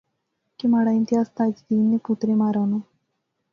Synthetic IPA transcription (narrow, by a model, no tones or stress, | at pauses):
kimaːɽaɪnt̪ɪɦaːst̪aːd͡ʒd̪iːnːeput̪ɾemaːɾaːnu